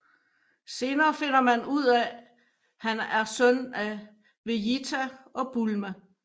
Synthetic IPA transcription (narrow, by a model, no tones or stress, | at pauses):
se̝ːnɐːfe̝n̰ɐmænuð̰ˠɛ | hænæɐsœn̰æ | ʋe̝jit͡sʰæɒ̽b̥ulmæ